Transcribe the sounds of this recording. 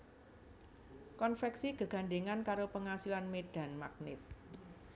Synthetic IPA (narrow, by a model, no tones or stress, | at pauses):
kɔnfɛksiɡ̥ə̤ɡ̥a̤ɳɖeŋankaɾopəŋasilanmed̥ä̤nmak̚nɪ̰t̪̚